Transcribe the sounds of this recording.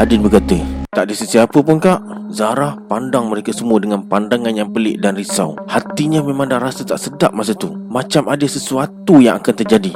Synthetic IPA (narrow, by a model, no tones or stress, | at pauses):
adɪnbəkat̪ət̪aʔdəsəsiapəpʊnkaʔ | zaɾahpandaŋməɾekasəmuədəŋanpandaŋanjaŋpəlɪ̰ʔdanrisa̰what̪iɲəmemãŋdahɾasat̪aʔsədaʔ̚mas̬at̪umat͡ʃamadəsəsuat̪ujaŋakant̪ərd͡ʒadi